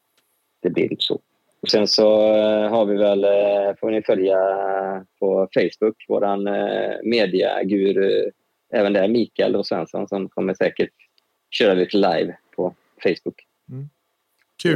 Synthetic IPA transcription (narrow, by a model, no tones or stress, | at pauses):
d̪̥ɛblɪ̰ɪ̰nt̪ːə̥sɔ̰ | ɔksɛnsɔɦaɾvɪvɛlfoːvnɪfœlja | pʰɔfɛɪsbɵkːvo̰ːɾanmeːd̪ɪa̰ɡʉ̟ːɾ | ʔɛːvənd̪ɛæɾmiːkaɛlɔsvɛ̰nsɔ̰nsɔmkʰɔmːəʂɛ̰ːkəʈ | ɕøːɾalɪt̪ʰəlajvpʰɔ | fɛɪsbʊk